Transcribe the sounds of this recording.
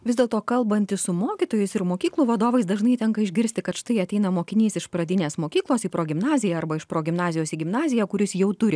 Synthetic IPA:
ʋʲɪzd̪ʲeːlˠt̪oːkɐlˠbɐnʲt̪ʲɪssʊmoːkʲɪt̪oːjɛɪsɪɾmoːkʲiːklˠuːʋɐd̪oːʋɐɪsd̪ɐʒnɐɪt̪ʲɛŋkɐɪʒʲɡʲɪɾʲsʲt̪ʲɪkɐt̪ʃɪ̥t̪ɐɪɐt̪ʲɛɪnɐmoːkʲɪnʲiːsɪʃpɾɐd̪ʲɪnʲeːsmoːkʲiːklˠoːsiːpɾoːɡʲɪmnɑːzʲɪjɛɐɾbɐɪʃpɾoːɡʲɪmnɑːzʲɪjoːsiːɡʲɪmnɑːzʲɪjɛkʊɾʲɪsjɛʊt̪ʊɾʲɪ

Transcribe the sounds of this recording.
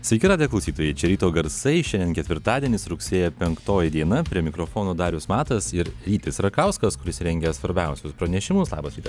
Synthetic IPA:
sʲʋʲɛɪkʲɪt̪ɑːd̪ʲijɛklˠɐʊsʲiːt̪oːjɛɪt͡ʃʲɛɾʲiːt̪oːɡɐɾsɐɪʃʲɛnd̪ʲɛnʲkʲɛt̪ʲʋʲɪɾt̪ɑːd̪ʲiɛnʲɪsɾʊksʲeːjɛpʲɛŋkt̪oːjɪd̪ʲiɛnɐpʲɾʲiɛmʲɪkɾofoːnoːd̪ɑːɾʲʊsmɑːt̪ɐsɪɾɾʲiːt̪ɪsɾɐkɐʊskɐskʊɾʲɪsɾʲɛŋʲɡʲɛsʋɐɾʲbʲɛˑʊsʲʊspɾɐnʲɛʃʲɪmʊslˠɑ̰ːbɐsɾʲiːt̪ɐs

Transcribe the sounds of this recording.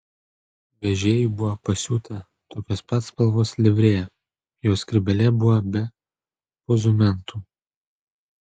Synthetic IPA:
ʋʲɛʒʲeːjibʊʋɐpɐsʲuːt̪ʰɐ | t̪oːkʲoːspɐt̪spɐlˠʋoːslʲɪʋʲɾʲeːɛ | joːskʲɾʲɪbʲɛlʲɛbʊʋɐbʲɛ | pɔzʊmʲɛnt̪uː

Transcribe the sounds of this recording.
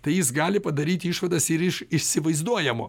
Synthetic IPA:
t̪ɐɪjɪsɡɑːlʲɪpɐd̪ɐɾʲiːt̪ʲɪiʃʋɐd̪ɐsɪɾɪʃɪʃʲsʲɪʋɐɪzd̪uɔjɛmo̰ː

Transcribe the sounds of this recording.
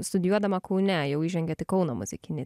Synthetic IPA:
st̪ʊd̪ʲɪjuɔd̪ɐmɐkɐʊnʲɛjɛʊiːʒʲɛŋɡʲɛt̪ʲɪkɔʊnomʊ̰zʲɪkʲɪnʲe

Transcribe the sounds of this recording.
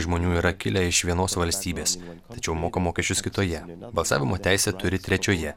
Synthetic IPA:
ʒmoːnʲuːiːɾɐkʲɪlʲɛɪʃʋʲiɛnoːsʋɐlʲsʲt̪ʲiːbʲeːst̪ɐt͡ʃʲɛʊmoːkɐmoːkʲɛʃʲt͡ʃʲʊskʲɪt̪oːjɛbɐlˠsɑ̰ːʋʲɪmoːt̪ʲæɪsʲɛt̪ʊɾʲɪt̪ʲɾʲɛt͡ʃʲoːjɛ

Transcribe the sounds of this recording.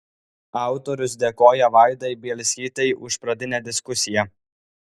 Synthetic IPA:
ɑˑʊt̪oɾʲʊs̬d̪ʲeːkoːjɛʋɑˑɪd̪ɐɪbʲeːlʲsʲiːt̪ɐɪʔʊʃpɾɐd̪ʲɪnʲɛd̪ʲɪskʊsʲɪjɛ

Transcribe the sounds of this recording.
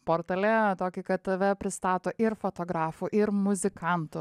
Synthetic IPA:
poːɾt̪ɐlʲɛt̪oːkʲɪkɐt̪ɐʋʲɛpʲɾʲɪst̪ɑːt̪oːʔɪɾfot̪oːɡɾɑːfuʔɪɾmʊzʲɪkʰɐnt̪ʊ

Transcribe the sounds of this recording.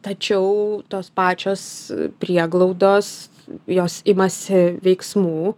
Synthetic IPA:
t̪ɐt͡ʃʲɛʊt̪oːspɑːt͡ʃʲoːspʲɾʲiɛɡlˠɔʊd̪oːs | joːsɪmɐsʲɪʋʲɛɪksmuː

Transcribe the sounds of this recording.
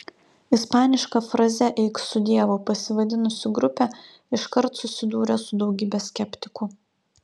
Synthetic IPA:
ɪspɑːnʲɪʃkɐfɾɐzʲɛʔɛɪksʊd̪ʲiɛʋoːpɐsʲɪʋɐd̪ʲɪnʊsʲɪɡɾʊpʲɛ | ɪʃkɐɾt̪sʊsʲɪd̪uːɾʲɛsʊd̪ɒʊɡʲiːbʲɛsʲkʲɛpʲt̪ʲɪkʊ

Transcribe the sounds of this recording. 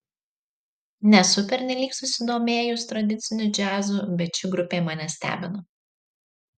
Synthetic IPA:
nʲɛsʊpʲɛɾʲnʲɛlʲiːksʊsʲɪd̪oːmʲeːjʊst̪ɾɐd̪ʲɪt̪sʲɪnʲʊd͡ʒʲæːzuːbʲɛt̪t͡ʃʲɪɡɾʊpʲeːmɑːnʲɛsʲt̪ʲæ̰ːbʲɪno

